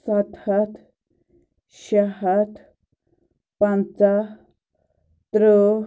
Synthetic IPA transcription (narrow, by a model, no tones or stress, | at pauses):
sat̪ʰat̪ | ɕaɦat̪ | pãnt͡sa | t̪ɾə